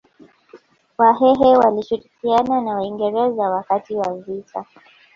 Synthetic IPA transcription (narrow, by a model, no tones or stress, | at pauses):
waɦɛɦɛwaliʃuɾikiananawaiŋɡɛɾɛzawakatiwavitʰa